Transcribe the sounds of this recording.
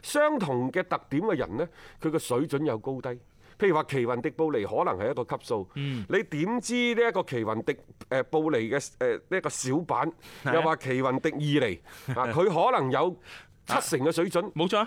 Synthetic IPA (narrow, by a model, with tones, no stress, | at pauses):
sœː˥ŋt̪ʰʊ˨˩ŋkɛː˧t̪ɐ˨k̚t̪iː˨˥mkɛ˧jɐ̰˨˩nlɛː˥kʰɵ˨˧ɥkɛː˧sɵ˨˥ɥt͡ʃɵ˨˥njɐ˨˧wko˥wt̪ɐ˥j | pʰjy˨˩waː˨kʰe˨˩jwɐ˨˩nt̪ɪ˨k̚po˧wle˨˩jhɔː˨˥lɐ˨ŋhɐ˨jɐ˥t̚kɔː˧kʰɐ˥p̚so˧wle˨˧jt̪iː˨˥mt͡siː˥niː˥jɐ˥kːɔː˧kʰe˨˩jwɐ˨˩nt̪ɪ˨k̚ɛː˧po˧wle˨˩jkɛː˧ɛː˨ni˥kɔː˧siː˨˥wpa̰ː˨˥njɐ˨wwaː˨kʰe˨˩jwɐ˨˩nt̪ɪ˨k̚jiː˨le˨˩jhaː˨kʰɵ˨˧ɥɦɔː˨˥lɐ˨˩ŋjɐ˨˧w | t͡sʰɐ˥t̚sɪ˨˩ŋkɛː˧sɵ˨˥ɥt͡ʃɵ˨˥nmo˨˧t͡ʃʰɔː˧